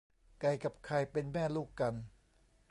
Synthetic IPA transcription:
ka˧jka˨˩p̚kʰa˧jpe˧nmɛː˥˩luː˥˩kːa˧n

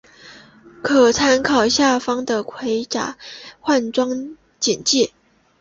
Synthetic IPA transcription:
kʰɤ˨˩t͡sʰa˥nkʰɑ˨˩ʊɕja˥˩fɑ˥ŋd̪ə˨kʰwe˧˥ɪʈ͡ʂa̰˨˩˦xwa˥˩nʈ͡ʂwɑ˥ŋ | t͡ɕɛ˨˩nt͡ɕjɛ˥˩

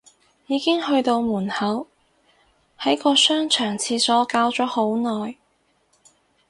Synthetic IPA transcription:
jiː˨˧kɪ˥ŋhɵ˧ɥt̪o˧wmuː˨˩nhɐ˨˥w | hɐ˨˥jkɔː˧sœː˥ŋt͡ʃʰœː˨˩ŋt͡sʰiː˧sɔː˨˥kaː˧wt͡sɔː˨˥ho˨˥wnɔː˨˩j

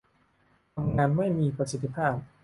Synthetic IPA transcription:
t̪ʰa˧mŋaː˧nma˥˩jmiː˧pɾa˧si˧˥t̪ʰːi˦˧pʰaː˥˩p̚

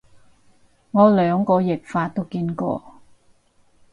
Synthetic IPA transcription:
ŋɔː˨˧lœː˨˧ŋkɔː˧jɪ˨˩k̚faː˧t̚t̪o˥wkiː˧nkɔ̰ː˧

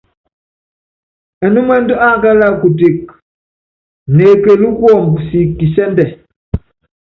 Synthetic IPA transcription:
ɛ˨nu˦mɛ˦n˦dɔ˦a˦ka˦la˦˨ku˨te˨k̚ | ne˨ke˨lu˦kwɔ˦˨m˨si˨ki˨sɛ˦ndɛ˨

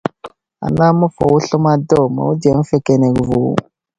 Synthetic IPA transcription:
a̰˨na˦ma˦fo˨wu˦ɬə˦ma˦do˦ma̰˨wu˦da˨m̩˦fe˦ke˨ne˨kvu˨ṵ˨

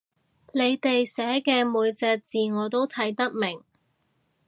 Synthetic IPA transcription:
le˨˧jt̪e˨jsɛː˨˥kɛː˧muː˨˧jt͡sɛː˧k̚t͡siː˨ŋɔː˨˧t̪o˥wt̪ʰɐ˨˥jt̪ɐ˥k̚mɪ˨˩ŋ

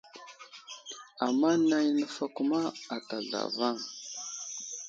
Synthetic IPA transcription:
a˨mːa˦na˦jnə˦fa˦ku˦ma˦a˨ta˨ɮa̰˨va˦˨ŋ

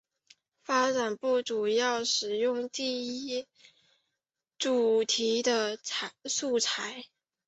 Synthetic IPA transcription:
fa˥ʈ͡ʂa˨˩npu˥˩ʈ͡ʂu˨˩jɑ˥˩ʊʂɻ̩˨˩jʊ˥˧ŋt̪i˥˩i˥ | ʈ͡ʂu˨˩t̪ʰi˧˥d̪ə˧su˥˩t͡sʰa˧˥ɪ

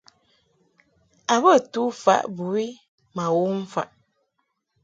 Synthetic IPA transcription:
a˨bə˦˨tu˦fa̰˦ʔbu˨wi˦ | ma˨wo˦m̩˦fa̰˨ʔ

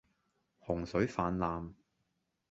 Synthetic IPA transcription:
hʊ˨˩ŋsɵ˨˥ɥfaː˨˧nlaː˨˧m

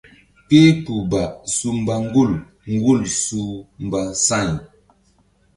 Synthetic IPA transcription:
ke˦pu˨ba˨ʔsu˨m̩˨ba˨ŋ˦ɡu˦˨l | ŋ̩˦ɡu˦˨lsu˦m̩˨ba˨sa˦˨n

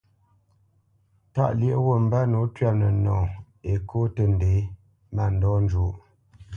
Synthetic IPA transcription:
ta̰˦ʔljə˦ʔwo˦˨m̩˨ba˦no˨˦tɥa˦˨nə˨nɔ̰̃ː˨ | e˨kʰo˦tə˨n˨de˨˦ | ma˨n˦dɔ˦n̩˦d͡ʒu˨˦ʔ

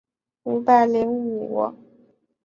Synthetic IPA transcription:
u˧˥pa˥˩ɪljɛ˧˥nu˨˩wɔ̰˧˦

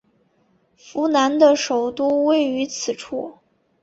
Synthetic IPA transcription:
fu˧˥na˧˥nd̪ə˧ʂo˨˩ʊt̪u˥˧we˥˩ɪy˧˥t͡sʰɹ̩˨˩ʈ͡ʂʰu˥˩

